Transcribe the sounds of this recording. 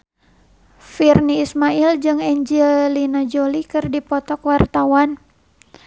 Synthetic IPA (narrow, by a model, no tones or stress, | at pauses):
firniːsmaild͡ʒɨŋɛɲd͡ʒɛlinad͡ʒolikɨrdipɔt̪ɔkwart̪awan